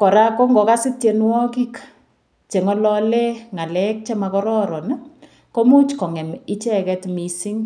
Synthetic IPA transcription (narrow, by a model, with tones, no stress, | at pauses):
kɔ˨ɾa˦kɔ˦ŋɡɔ˨ka˦sɪ˦tje˨nwɔ˦ki˦k | t͡ʃe˨ŋɔ˦lɔ˦le˦ŋa˨lɛ˦k̚t͡ʃɛ˦ma˨kɔ˦ɾɔ˦ɾɔ˨n˦ | ko˦mu˦t͡ʃkɔ˨ŋɛ˨mi˦t͡ʃɛ˦kɛ˦tmi˨si˦ŋ